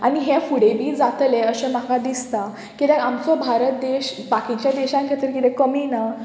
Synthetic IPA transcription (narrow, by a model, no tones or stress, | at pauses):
aɽ̃iɦɛ̃fuɽebʱiːd͡zat̪lɛəɕɛ̃makad̪ist̪a | kit̪ɛamt͡sɔbʱaɾət̪̚d̪eɕbakit͡ɕjad̪eɕãŋkʰet̪əɾkit̪ɛ̃kəmina